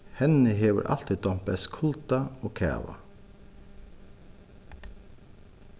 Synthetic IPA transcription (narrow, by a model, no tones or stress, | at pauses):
hɛnəheːʋə̰ɾʔɑ̰lt̪ɪd̪ɔmpəskʰʊlt̪ɑoːkʰæ̰ːʋɑ̰